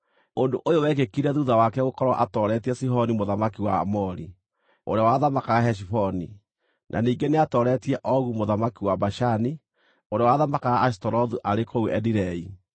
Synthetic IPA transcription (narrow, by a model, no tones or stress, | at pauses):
ondoʔojowɛɣekiɾɛðuðawakɛɣokɔɾwɔʔatɔɾɛtiɛsiɦɔnimoðamakiwaa̰mɔɾḭ | o̰ɾeawaðamakaɣahɛʃ̬ifɔni | nʔa̰niːŋɡeneatɔɾɛtiɛʔɔɣumoðamakiwabaʃani | oɾeawaðamakaɣaːs̬tɔɾɔðuʔaɾekouɛdiɾɛi